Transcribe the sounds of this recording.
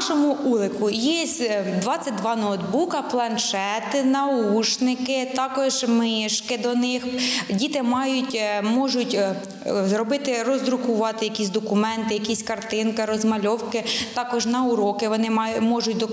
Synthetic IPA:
ʃɔmʊulˠɪkʊjɛsʲd̪ʋɑt͡sʲːɐt̚ʲd̪ʋɑnɔːd̪bukɐplˠɐnʃɛt̪ɪnɐut͡ʃnɪkɪt̪ɑkɔʒmɪʃkɪd̪ɔnɪxdʲit̪ɪmɑjʊtʲmɔʒʊtʲ | zrɔbɪt̪ɪrɔzɾʊkʊʋɑt̪ɪjɐkʲisʲd̪ɔkʊmɛnt̪ɪjɐkʲisʲkɐrt̪ɪnkɐɾɔzmɐlʲɔwkɪt̪ɑkɔʒnɐuɾɔkɪʋɔnɪmɑjmɔʒʊt̚ʲd̪ɔ

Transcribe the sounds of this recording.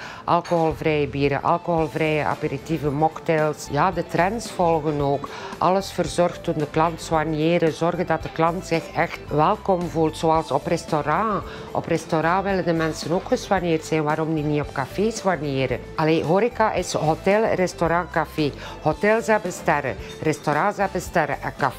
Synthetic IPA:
ʔɑlˠkoɦɔlˠvrɛjəbiːɾə̰ʔɑ̰lˠkoɦɔlˠvrɛjəʔɑ̰peritivəmɔktɛlˠsjaːdətrɛnsfɔlˠɣənoːkʔɑ̰ləsfərzɔrxtundəklɑntswanɪːɾəzɔrɣəndɑt̚dəklɑntsɪxɛxtʋɛlˠkɔmvulˠtsoɑlˠsɔprɛstoɾɑ̃ | ɔ̰prɛstoɾɑ̃ːʋɪləndəmɛnsənoːkxəswanɪːrtsɛjnʋaːɾɔmdinitɔp̚kafeːsʋanɪːɾə | ɑleːɦoːɾikaʔɪsɦotɛlˠrɛstoɾɑ̃kafeː | hotɛlˠsɛbəstɛɾə̰ | rɛstoɾɑ̃zɛbəstɛɾə̰ʔɛnka

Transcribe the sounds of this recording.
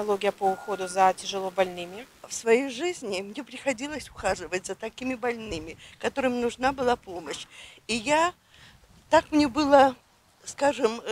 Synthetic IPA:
ɐlˠoɡʲɪjəpəʊxod̪ʊzɐtʲɪʐɨlˠo̞bɐlʲnɨmʲɪfsvɐjejʐɨzʲnʲɪmnʲe̞pɾʲɪxɐdʲilˠəsʲʊxaʐɨvətʲzət̪ɐkʲimʲɪbɐlʲnɨmʲɪkɐt̪o̞ɾɨmnʊʐnabɨlˠapo̞məɕija | t̪akmnʲebɨlˠə | skaʐɨm

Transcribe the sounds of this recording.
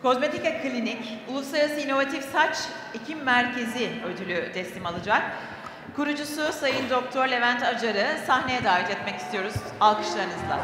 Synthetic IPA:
kʰo̞zme̞t̪ʰikvɛkʰlʲiniculˠuslˠaɾasɯino̞vat̪ʰifsat͡ʃ | icʰimːæɾcʰe̞ziød̪ylʲyd̪ɛsimalˠɯd͡ʒak̚ | kʰuɾud͡ʒususajɯnd̪o̞k̚t̪ʰoɾlʲe̞vænt̪ad͡ʒaɾɯsahnejɛd̪aːvit̪ɛt̪mɛci̥st̪ʰijo̞ɾuz̥alˠkɯʃlˠaɾɯnɯzd̪a̰

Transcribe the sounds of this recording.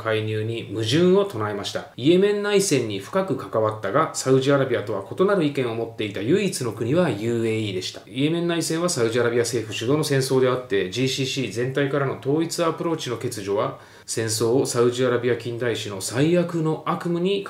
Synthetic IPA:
kaiɲ̟ɨːɲ̟imɯ̟ʑɨ̃ɰ̃o̞t̪o̞nae̞maɕi̥t̪aie̞mẽ̞nːaisẽ̞ɲ̟ːiɸɯ̟̥kakɯ̟kakaβat̪ːaɡasaɯ̟ʑiaɾabʲiat̪o̞βako̞t̪o̞naɾɯ̟ikẽ̞ɰ̃o̞mo̞t̪ːe̞it̪ajɯ̟it͡sɨno̞kɯ̟ɲ̟iβajɯ̟ːe̞ːiːd̪e̞ɕi̥t̪ḁie̞mẽ̞nːaisẽ̞ɰ̃βasaɯ̟ʑiaɾabʲiase̞ːɸɯ̟ɕɨd̪o̞ːno̞sẽ̞ɰ̃so̞ːd̪e̞at̪ːe̞ʑiːɕiɕiːzẽ̞nt̪aikaɾano̞t̪o̞ːit͡sɨapɯɾo̞ːt͡ɕino̞ke̞t͡sɨʑo̞βa | sẽ̞ɰ̃so̞ːsaɯ̟ʑiaɾabʲiakʲĩnd̪aiɕino̞saijakɯ̟no̞ʔakɯ̟mɯ̟ɲ̟ik

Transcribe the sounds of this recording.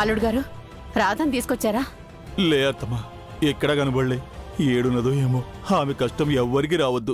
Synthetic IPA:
paːluɽɡaːɾu | ɾaːd̪ʱant̪iːsu̥kɔt͡ʃːaːɾaː | leːɐɾt̪ɐmaː | ɛkːɐɽɐkɐnubɐɭːeːeːɽunːɐd̪ueːmoː | aːmekɐʂʈɐmɛʋːɐɾik̬iɾaːʋɐd̪ːu

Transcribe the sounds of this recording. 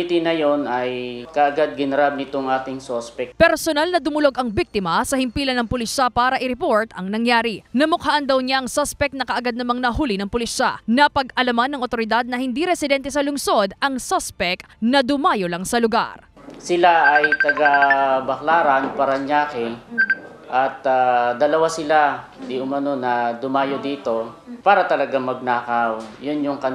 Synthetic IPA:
t̪ɪnɐjonɐjkɐʔɐɡad̪̚ɡɪnɾab̚nɪt̪oŋʔaːt̪ɪŋsospɛk̚pɛɾsonalnɐd̪ʊmʊlo̞ɡʔɐŋbik̚t̪ɪmɐsɐhɪmpiːlɐnɐŋpʊliʃapaːɾɐʔɪɾɪpo̞ɹt̪ɐŋnɐŋjaːɾinɐmʊk̚haʔand̪ɐwɲaʔɐŋsospɛk̚nɐkɐʔɐɡad̪̚nɐmaŋnɐɦuːlɪnɐŋpʊliʃa̰nɐpɐɡɐlɐmanːɐŋot̪o̞ɾɪd̪ad̪̚nɐhɪnd̪iɾɛsɪd̪ɛnt̪ɛsɐlʊŋso̞d̪ɐŋsospɛk̪̚nɐd̪ʊmaːjolɐŋsɐlʊɡa̰ɾ | sɪlaʔɐjt̪ɐɡabɐklaːɾanpaɾɐɲaːkɪ | ʔat̪ad̪ɐlɐwasɪlaɪnd̪iʔʊmɐno̞nɐd̪ʊmaːjod̪iːt̪o̞paːɾɐt̪ɐlɐɡaŋmɐɡ̚naːkawjʊnjʊŋkɐ

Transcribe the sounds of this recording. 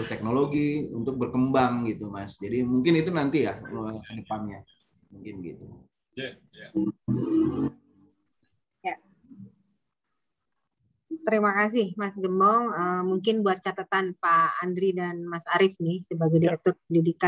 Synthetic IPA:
t̪ɛk̚noloɡiṵnt̪ʊk̚bərkəmbaŋɡit̪umasd͡ʒadimuŋkɪnit̪unant̪ijahloanəpamɲa | muŋkɪnɡḭt̪u | ja | t̪əɾimakas̬ɪhmasɡəmɔŋəmuŋkɪnbuat̪̚t͡ʃat̪at̪anpaːndɾidanmasaɾɪfnɪhsəbaɡajdiɾɛk̚t̪ʊrpəndidika

